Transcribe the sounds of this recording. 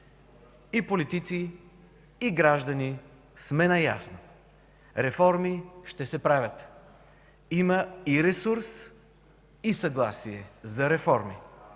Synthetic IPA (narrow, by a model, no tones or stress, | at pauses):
ipolit̪it̪siː | ɡɾaʒd̪ɐni | smɛnɐja̰sno | ɾɛfɔɾmiʃt̪ɛsɛpɾavʲət̪ | iməiɾɛsuɾs | isɐɡlˠasiɛzɐɾɛfɔɾmḭ